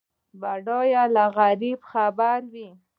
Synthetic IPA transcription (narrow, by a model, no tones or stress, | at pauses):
baɖojalaɣaɾibxabaɾwi